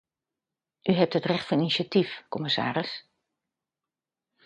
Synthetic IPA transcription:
ʔyɦɛp̚tətrɛxtfəninisjatifkɔmɪsa̰ːɾəs

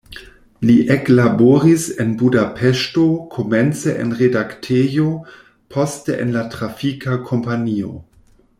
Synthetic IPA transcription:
liʔeklaboɾisenbudapʰeʃto̞kʰoment͡seʔḛnʁedaktʰejo | pʰosteʔḛnlatɾafikʰakʰo̞mpanio̰

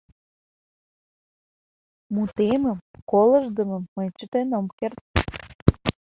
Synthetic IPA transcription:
mut̪eməmkolə̆ʒd̪ə̆mə̆mːəjt͡ɕət̪enomkert̪̚

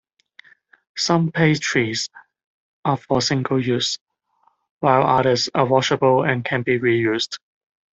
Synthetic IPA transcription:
sʌ̃mpʰeɪtʰɹiz | ʔəfɔsɪ̃ŋɡəlˠjʉs | waɪlʌɾəsəwɔʃəbəlˠɛ̃nkʰɛ̃nbiɹijʉsd̥

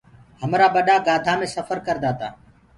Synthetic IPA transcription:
ɦəmɾaːɓəɗaːɡaːd̪ʱaːmẽːsəfəɾkəɾd̪aːt̪a̰ː

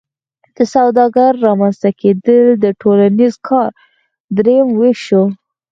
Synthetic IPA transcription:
d̪̥əsawd̪ɑɡaɾːɑmanst̪akʰed̪əld̪əʈʰolanizkʰɑɾ | d̪ɾejəmweʃo

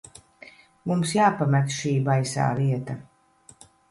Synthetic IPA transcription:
mumsjaːpamɛt̪ʃiːbajsa̰ːɾiɛt̪a

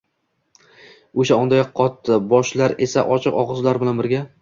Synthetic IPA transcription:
oʃaɒnd̪ajɒqʰːɒt̪ːɪbɒʃlaɾe̞saʔɒt͡ʃʰɨqɒʁɨzlaɾbɪlanbɪɾɡʲa

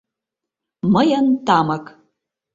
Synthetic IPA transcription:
məjant̪amək

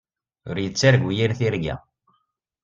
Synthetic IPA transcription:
ʊ̰ɾjət͡sːaɾɡʷujiɾθiɾɡæ̰

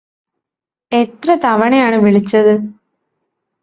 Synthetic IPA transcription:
et̪rɐt̪ɐʋɐɳɐjaːɳɨʋiɭit͡ɕːɐðɨ

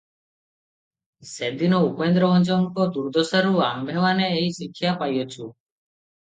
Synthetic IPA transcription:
sed̪inɔupend̪ɾɔɔnd͡ʒɔŋkɔd̪uɾd̪ʱɔsaɾuambʱeʋaneːisikʰːjapajot͡ʃʰu

